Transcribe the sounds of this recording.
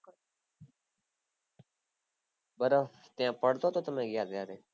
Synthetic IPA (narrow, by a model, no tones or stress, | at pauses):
bəɾət̪ɪjãːpəɽt̪oːt̪oːt̪əmẽːɡɪjaːd̪jaːd̪eː